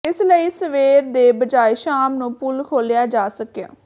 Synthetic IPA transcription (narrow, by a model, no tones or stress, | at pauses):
ɪsləiːsəʋeːɾd̪eːbəd͡ʒaːiːʃaːmnũːpʊlkʰoːlejaːd͡ʒaːsəkja̰ː